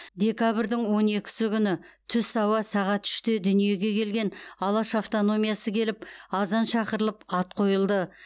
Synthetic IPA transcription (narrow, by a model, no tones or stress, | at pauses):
d̪ʲe̞kabɪɾd̪ɪŋwo̞ne̞kʲɪ̥sɪkʲʰʏnɪt̪ʰʏsɑwɑsɑʁɑt̪ʏ̥ʃt̪e̞d̪ʏnije̞ɡʲe̞kʲʰe̞lɡʲe̞nɑlˠɑʃaft̪o̞no̞mijɑsəkʲʰe̞lɪp̚ɑzɑnʃɑqəɾəlˠəpɑt̪̚qʰo̞jəlˠd̪ə